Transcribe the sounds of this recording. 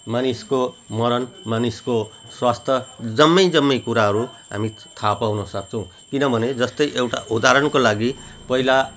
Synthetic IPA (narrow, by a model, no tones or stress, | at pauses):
manisko | mʌɾʌnmanisko | swast̪ʰʌd͡zʌmːʌjd͡zʌmːʌjkuɾaɦʌɾu | ɦa̰mi | t̪ʰapawnʌsʌkt͡sʰʌw̃ | kinʌbʱʌned͡zʌst̪ʌjʔewʈa̰ʔud̪ʱaɾʌnkolaɡipʌɦila